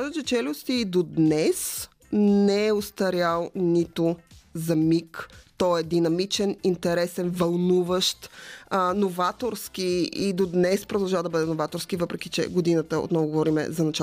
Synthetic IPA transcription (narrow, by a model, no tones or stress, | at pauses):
kazət͡ʃɛt͡ʃɛlʲʊst̪iːd̪od̪nɛs | nɛɛost̪ɐɾʲjalˠnit̪ʊzɐmikt̪ɔɛd̪inɐmit͡ʃɛnint̪ɛɾɛsɛnvɐlˠnuvəʃt̪ənovat̪oɾsk̟iid̪od̪nɛspɾod̪ɐlˠʒavəd̪ɐbəd̪ɛnovat̪oɾskivəpɾɛk̟it͡ʃɛ̰ɡod̪inət̪əo̰t̪nɔvʊɡovɔɾimɛ̰zɐnɐt͡ʃa